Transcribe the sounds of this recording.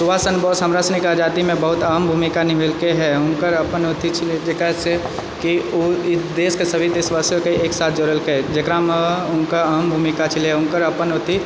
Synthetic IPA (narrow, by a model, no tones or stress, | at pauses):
sʊʋaːsənbɔːsɦəmɾasnikaːd͡ʒaːt̪imẽbɐɦʊt̪əɦəmbʱuːmikanɪɦelkeɦɛʊnkəɾəpənɦoːt̪it͡ʃʰɪled͡ʒekase | kioɪsd̪eːskesəbʱid̪eːsʋaːsjõkeeːksaːt̪ʰd͡ʒoːɾəlkeed͡ʒekɾameʊnkəəɦmbʱuːmikat͡ʃʰɪleɦɛʊŋkəɾɐpənɦoːt̪i